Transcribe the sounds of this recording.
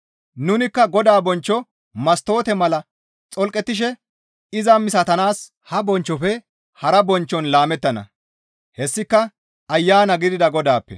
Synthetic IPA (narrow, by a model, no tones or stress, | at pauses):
nʊnɪkːɐɡɔd̪aːbɔnt͡ʃːɔ | mɐst̪o̞ːt̪ɛmɐlɐ | t͡sʼɔlkʼɛt̪ːɪʃ̬ɛ | ɪzɐmɪsɐt̪ɐnaːs | hɐbɔnt͡ʃːɔfɛ | hɐɾɐbɔnt͡ʃːɔnlaːmɛt̪ːɐnɐ̰ | hɛsːɪkːɐ | ɐjːaːnɐɡɪd̪ɪd̪ɐɡɔd̪aːpːɛ̰